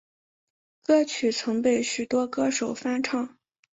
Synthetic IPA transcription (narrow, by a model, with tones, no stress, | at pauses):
kɤ˥t͡ɕʰy˨˩t͡sʰɤ˧˥ŋpe˥˩ɪɕy˨˩t̪wɔ˥kɤ˥˩ʂo˨˩ʊfa˥nʈ͡ʂʰɑ˥˩ŋ